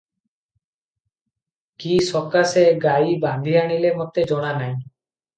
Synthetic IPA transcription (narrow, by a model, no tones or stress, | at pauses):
kisɔkaseɡajband̪ʱiaɽ̃ilemɔt̪ed͡ʒɔɽ̃anaj̃